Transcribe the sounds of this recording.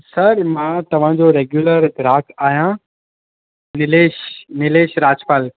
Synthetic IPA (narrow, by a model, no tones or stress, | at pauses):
sɐɾmãːt̪ɐʋ̤ãd͡ʑoɾeːɡjuləɾd̪ɪɾaːkʰaːɦijã | nɪleːʃnɪleːʃɾaːd͡ʑpaːl